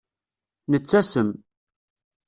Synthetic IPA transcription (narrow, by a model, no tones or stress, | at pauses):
nət͡sːæsəm